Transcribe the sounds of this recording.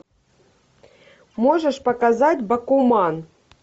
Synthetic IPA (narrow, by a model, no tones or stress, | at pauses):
moʒəʂpɐkazatʲbɐkumɑn